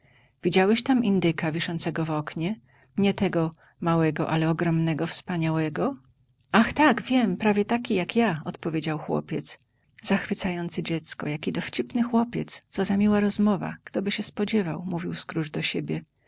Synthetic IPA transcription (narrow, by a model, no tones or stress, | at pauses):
vʲid͡ʑawɛɕt̪amind̪ɘkavʲiʂɔnt̪sɛɡɔvɔkɲɛ | ɲɛt̪ɛɡɔ | mawɛɡɔʔalɛɔɡɾɔmnɛɡɔfspaɲawɛɡɔ | axt̪aɡvʲjɛmpɾavʲjɛt̪akʲijakjaɔt̪pɔvʲjed͡ʑawxwɔ̰pʲjɛt̪s | zaxfɘt̪sajɔnt̪sɘd͡ʑɛt̪skɔ̰jakʲid̪ɔft͡ɕipnɘxwɔpʲjɛ̰t̪st̪sɔzamʲiwaɾɔzmɔva̰ɡ̥t̪ɔbɘɕɛspɔd͡ʑɛvawmuvʲiwskɾuʐd̪ɔɕebʲjɛ